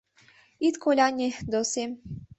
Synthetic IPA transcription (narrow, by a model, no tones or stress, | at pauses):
it̪kʰolʲanʲed̪ose